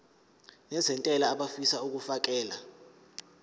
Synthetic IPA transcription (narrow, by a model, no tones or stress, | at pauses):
nɛzɛntʼɛlaːɓafisauk̬ufak̬ʼɛːla